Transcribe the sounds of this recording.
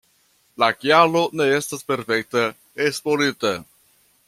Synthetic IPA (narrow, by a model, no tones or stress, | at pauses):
lakjalo̞ne̞e̞staspe̞ɾfe̞k̚te | espoɾita